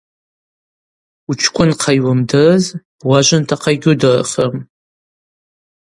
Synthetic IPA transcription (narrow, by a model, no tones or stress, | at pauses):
ut͡ʃʷʰkʷʼʊnqʰajwamdɨzb̥waʒʷantʰaqʰaɡʲʊdɨr̰χəm